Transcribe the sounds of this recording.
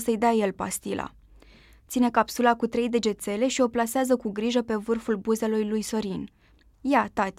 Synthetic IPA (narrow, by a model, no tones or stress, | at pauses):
səjd̪eaje̞lpast̪ilʔa̰ | t̪sine̞kapsulakut̪ɾe̞jd̪e̞d͡ʒe̞t̪se̞le̞ʃio̞plaseazəkuɡɾiʒəpe̞vɨrfulbuze̞lujlujso̞ɾin | jat̪at̪ʲ